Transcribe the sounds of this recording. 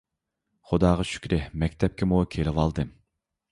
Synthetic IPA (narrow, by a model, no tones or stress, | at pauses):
χʊd̪ɑːʁɑʃy̥kʲɾɪhmɛkʲt̪ʰɛp̚kʲɪmukʲʰelɪwɑlˠd̪ɨ